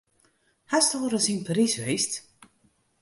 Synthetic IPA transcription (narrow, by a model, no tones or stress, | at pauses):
hastoːɾəsinpaɾisʋejst